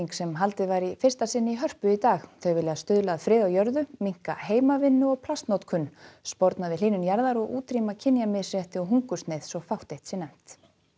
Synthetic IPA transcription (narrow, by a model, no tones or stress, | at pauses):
iŋksɛmɦalt̪ɪðvaɾifɪr̥st̪asɪnːɪiɦœr̥pʏit̪aːxθœɣvɪlɪaðst̪ʏːðlaːðfɾɪːðawjœɾðʏmiŋ̥ka̰heːjmavɪnːʏɔɣpʰlast̪nowt̪kʰʏnːspɔɾt̪navɪliːnʏnjaɾðaɾɔɣuːt̪ɾimacʰɪnjamɪsjɛht̪ɪɔɦuŋkʏst̪nejðsɔɣfawht̪ejht̪sɛnɛm̥t̪